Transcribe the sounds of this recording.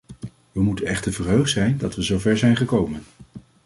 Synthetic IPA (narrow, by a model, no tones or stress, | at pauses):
ʋəmutənɛχtəɹvəɹɦøɥχtsɛjndɑtʋəzowvɛɹzɛjnχəkowmən